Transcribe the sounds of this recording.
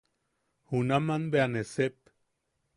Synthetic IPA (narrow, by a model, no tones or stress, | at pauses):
hunamanbeanesep